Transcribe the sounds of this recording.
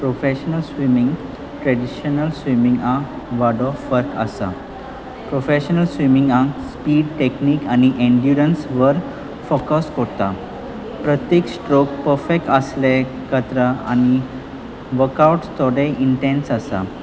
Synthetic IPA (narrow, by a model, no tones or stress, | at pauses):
pɾofeɕənəlsʋimiŋɡ | ʈɾeɖiɕənəlsʋimĩŋɡã | ʋaɖɔfːəɾkə̰sa̰ | pɾofeɕənəlsʋimiŋɡãspiːɖʈekniːkañiʔẽɳɖjuɾənsʋəɾ | fokəskɔɾt̪a | pɾət̪jeksʈɾokpəɾfek̚ʈəsle | kət̪ɾəa̰ñi | ʋəɾkawʈt̪ʰɔɽeʔiɳʈẽnsəsa̰